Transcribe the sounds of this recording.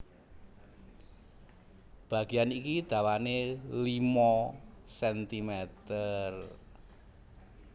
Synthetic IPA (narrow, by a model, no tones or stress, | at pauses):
b̥ä̤ɡ̥ianikid̪̥a̤wanelimɔsɛnt̪imɛt̪ər